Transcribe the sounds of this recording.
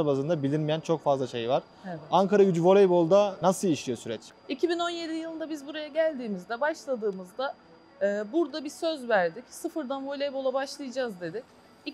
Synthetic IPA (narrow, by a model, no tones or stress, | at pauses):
bazɯnd̪abilʲinmijænt͡ʃʰo̞kfazlˠaʃejivaɾ̥ | aŋkʰaɾaɟyd͡ʒyvo̞lʲˠejbo̞lˠd̪anasɯlˠiʃlʲijo̞syɾɛt͡ʃicʰibino̞nje̞d̪ijɯlˠɯnd̪abizbuɾajaɟælʲd̪iːmizd̪ɛbaʃlˠad̪ɯːmɯzd̪a | ɯːbuɾd̪abisø̞zvæɾd̪icsɯfɯɾd̪anvolʲejbo̞lˠabaʃlˠɯjad͡ʒaːzd̪e̞d̪ic | i